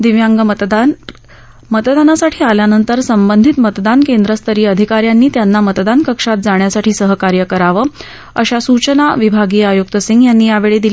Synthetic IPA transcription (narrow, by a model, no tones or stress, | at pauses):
d̪iʋjaŋɡət̪ | mət̪d̪anasaʈʰiːaljanənt̪əɾsəmbənd̪ʱit̪mət̪d̪ankend̪ɾəst̪ʰəɾiːəd̪ʱikaɾjanːiːt̪janːamət̪d̪ankəkʂat̪̚d͡zaɳ̃jasaʈʰiːsəɦəkaɾjəkəɾaʋə | ə̰ɕasut͡ɕənaʋibʱaɡiːajuk̚t̪əsiŋɡjanːiːjaʋeɭed̪il